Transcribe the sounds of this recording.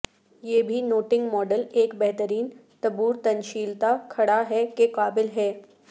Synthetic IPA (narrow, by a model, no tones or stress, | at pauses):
jeːbʱinoːʈɪ̃ŋɡmɔːɖəleːkbɛɦt̪əɾiːnt̪ɐbuːɾt̪ɐnʃiːlt̪akʰɐɽaɦɛkeqaːbɪlɦɛː